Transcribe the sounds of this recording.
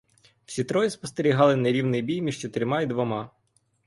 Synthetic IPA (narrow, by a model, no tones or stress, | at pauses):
w̥sʲit̪ɾɔjispɔst̪eɾʲiɦɑlˠɪneɾʲiwnɪjbʲijmʲiʒt͡ʃet̪ɪɾmɑid̪ʋɔmɑ